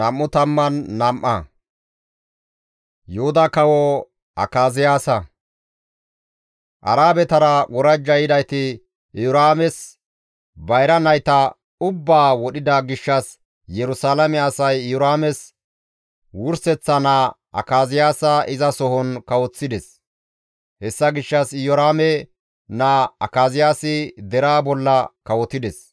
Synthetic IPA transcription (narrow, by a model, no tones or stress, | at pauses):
ɐmːʊt̪ɐmːɐnːɐmʔːɐ̰ | jɔhʊd̪ɐkɐwɔ | ɐ̰kaːzɪjaːsɐ | ʔɐ̰ɾaːbɛt̪ɐɾɐwɔɾɐd͡ʒːɐjɪd̪ɐjt̪ɪ | ɪjʊɾaːmɛs | bɐjɾɐnɐjt̪ɐ | ʊbːaːwɔɗɪd̪ɐɡɪʃːɐs | jɛɾʊsaːlɐmɛɐsɐjɪjʊɾaːmɛs | wʊɾsɛt͡sːɐna | ʔɐ̰kaːzɪjaːsɐɪzɐsɔhɔnkɐwɔt͡sːɪd̪ɛs | hɛsːɐɡɪʃːɐsɪjɔɾaːmɛ | naːɐ̰kaːzɪjaːsɪd̪ɛɾaːbɔlːɐkɐwɔt̪ɪd̪ɛs